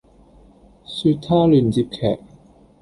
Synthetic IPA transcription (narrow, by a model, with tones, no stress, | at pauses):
syː˧t̪ʰːaː˥lyː˨nt͡siː˧p̚kʰɛ̰ː˨˩k̚